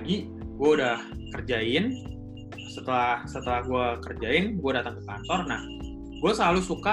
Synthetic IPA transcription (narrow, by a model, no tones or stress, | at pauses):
ɡi | ɡuaudahkərd͡ʒaɪn | sət̪əlahsət̪əlahɡuakərd͡ʒaɪnɡuadat̪əŋkəkant̪ɔrna̰h | ɡ̥uasəlalusuka